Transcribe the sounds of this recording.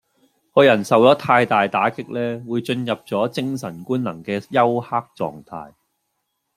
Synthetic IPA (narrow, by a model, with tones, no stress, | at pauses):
hɔ˨˧jɐ˨˩nsɐ˨wt͡sɔː˨˥t̪ʰaː˧jt̪aː˨jt̪aː˨˥kɪ˥k̚lɛː˥wuː˨˧jt͡ʃɵ˧njɐ˨p̚t͡sɔː˨˥t͡sɪ˥ŋsɐ˨˩nkuː˥nnɐ˨˩ŋkɛː˧jɐ˥whaː˥k̚t͡sɔ̰ː˨˧ŋt̪ʰa̰ː˧j